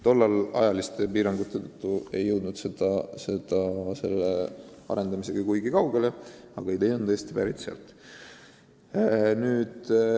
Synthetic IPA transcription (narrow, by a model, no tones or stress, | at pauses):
t̪o̞lːɑlɑ̰jɑlist̪e̞piːɾɑŋɡ̥ut̪ːˑe̞t̪ɤt̪ːˑue̞jːɤwd̪nud̪̥sed̪̥ɑse̞d̪̥ɑse̞lːeɑ̰ɾe̞nd̪ɑmise̞ɡ̥ɑkujɡikɑwɡ̥e̞leɑ̰ɡ̥ɑejt̪ejnɤjest̪ipæɾit̪seɑ̰lt̪ˑ | nyːd̪̥